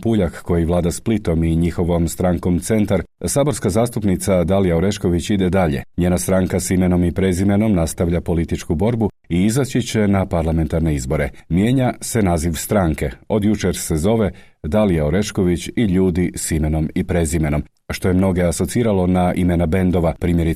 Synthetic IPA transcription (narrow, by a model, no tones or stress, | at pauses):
puːʎakko̞jiʋlˠaːd̪asplit̪o̞miɲixo̞ʋo̞mst̪ɾaŋko̞mt̪se̞nt̪aɾsaːbo̞ɾskazaːst̪upnit̪sad̪alijaoɾe̞ʃko̞ʋit͡ɕid̪ed̪aʎe̞̰ɲeːnast̪ɾaŋkasime̞no̞mipɾe̞zime̞no̞mnast̪aʋʎapo̞lit̪it͡ʃkubo̞ɾbu | iizat͡ɕit͡ɕe̞napaɾlˠame̞nt̪aɾne̞izbo̞ɾe̞mje̞ːɲase̞naziʋst̪ɾaŋke̞o̞d̪jut͡ʃeɾse̞zo̞ʋe̞ | d̪alijaoɾe̞ʃko̞ʋit͡ɕiʎuːd̪isime̞no̞mipɾezime̞no̞m | ʃt̪o̞jemno̞ɡe̞aso̞t̪siːɾalo̞naʔimenabe̞nd̪o̞ʋapɾiːmjeɾi